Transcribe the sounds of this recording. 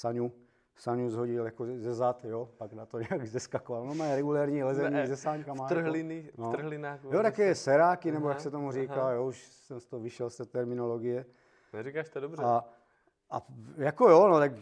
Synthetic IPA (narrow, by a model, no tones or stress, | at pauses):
saɲu | saɲuzɦoɟɪljakozɛzat̪jopaɡnat̪oɲɛaɡzɛskakovalnomaɛɾɛɡulɛːɾɲiːlɛzɛɲiːzɛsaːɲkamaːt̪r̩ɦlɪnɪnot̪̩ɦlɪnaːxjot̪akɛːsɛɾaːkinɛbojaksɛt̪omuriːkaːjouʃ | sɛmst̪oɦoviʃɛlst̪ɛt̪ɛɾmɪnoloɡɪjɛ | nɛɾikaːʃt̪ɛdobrɛa | ʔajakojonot̪ak